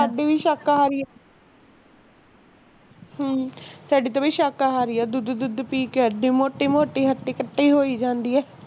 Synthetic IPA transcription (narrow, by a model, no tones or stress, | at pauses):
aːɖiːʋiːʃaːkaɦaːɾɪːɛ | ɦsaːɖiːt̪õːʋiːʃaːkaɦaːɾiːɛːd̪ʊd̪d̪ʊd̪piːkəɖiimoːʈiːmoːʈiːɦəʈːiːkəʈːiːɦoːiːd͡ʒãːnd̪iːɛː